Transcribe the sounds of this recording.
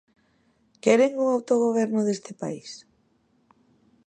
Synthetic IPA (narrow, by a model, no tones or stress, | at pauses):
kɛɾeŋuŋawt̪oɣoβ̞ɛɾnʊðest̪ɪpa̰is